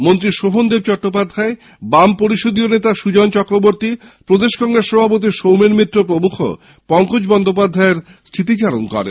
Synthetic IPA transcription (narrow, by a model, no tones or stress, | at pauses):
mont̪ɾiʃoɦond̪eb̚t͡ɕɔʈːop̬ad̪ʱae | bampoɾiʃod̪ionet̪aʃud͡ʑɔnt͡ɕɔkɾoboɾt̪i | pɾod̪eʃkɔŋɡɾesːɔbʱapot̪̬iʃowmeɾmɾit̪ːɾopɾomukʰo̰ | pɔŋkod͡ʑbɔnd̪ʱop̬ad̪ʱaeɾ | st̪ʰit̪̬it͡ɕaɾonkɔ̰ɾḛn